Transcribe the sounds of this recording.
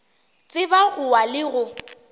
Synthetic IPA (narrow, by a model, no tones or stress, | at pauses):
t͡sʼɪbaɣʊwalɪɣʊ